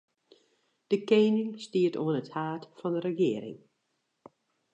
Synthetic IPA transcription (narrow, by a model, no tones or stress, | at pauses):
d̥əkeːnɪŋstiːətoənəthaːtfɑndəɾəxɪəɾɪ̰ŋ